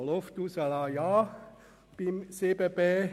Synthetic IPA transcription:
loft̪usalɑjɑː | pimsepepe

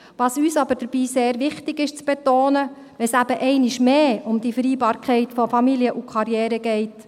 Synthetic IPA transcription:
ʋɑːsyːsɑb̥əɾd̥əɾb̥iːseːɾʋɪχtɪɡɪʃt͡sb̥ɛtoːnə | ʋɛsæbəʔɛɪnɪʃmeːʊmd̥̪ifəɾiːbɑːɾkχɛɪtfɔfɑmiliəʔukχɑɾjɛːɾəɡɛɪt

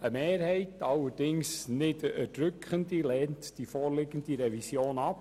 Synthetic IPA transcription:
əmeːɾhɛɪtɑlːəɾd̥ɪŋsnɪddɾʏkχəndilɛːntd̥ifoːɾlɪɡəndiɾɛvisjoːnɑp

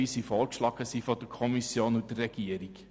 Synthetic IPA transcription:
isifɔkʃlɑkəsifɔdəkʰɔmisjoːnudəːɛɡ̥iəɾik

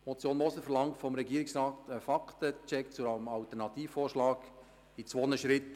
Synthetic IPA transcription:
mɔt͡sjoːnmɔsəfɛɾlɑŋtfɔmɾɛɡiːəɾɪksɾɑːtəfɑktət͡ʃɛkt͡suɑmɑltəɾnɑt̪iːffoːrʃlɑːɡ | it͡sʋoːnəʃɾɪt

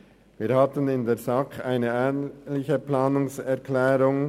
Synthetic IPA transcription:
viːɐhatənɪndeːzakaɪnəɛːnlɪçəplaːnʊŋsɛʁkʰlɛːɾʊŋ

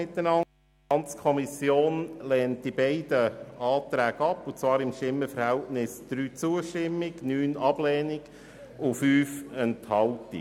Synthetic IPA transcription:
ɪt̪ːənɑ | ɑnt͡skʰɔmisjoːnlɛːnt̚dibɛɪd̥əɑːt̪ɾæːɡɑpːʊt͡svɑːɾɪmʃtɪmːəfəɾhɛltnɪsd̪̥ɾyːt͡suəʃtɪmːɪɡnyːnɑb̥lɛːnɪɡ̥ | ʊfyːfɛnthɑltḭ

